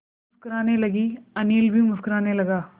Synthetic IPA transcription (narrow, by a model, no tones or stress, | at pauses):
ʊskɾaːneːlɐɡiɐniːlbʱimʊskɾaːneːlɐɡaː